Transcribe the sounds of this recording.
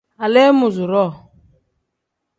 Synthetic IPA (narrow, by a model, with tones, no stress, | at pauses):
a˨le˦mʊ˨zʊ˨ɾɔ˦˨